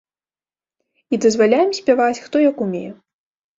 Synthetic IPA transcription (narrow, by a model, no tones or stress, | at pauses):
id̪ɐzvalʲajɛmsʲpʲɛvat͡sʲxt̪ɔjɐkumʲḛjɛ